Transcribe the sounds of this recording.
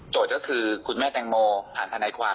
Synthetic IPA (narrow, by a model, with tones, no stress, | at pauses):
t͡ɕoː˨˩kɔː˥˩kʰɯː˧kʰu˧nmɛː˥˩t̪ɛ˧ŋmoː˧pʰaː˨˩nt̪ʰa˧naː˧jkʰwaː˧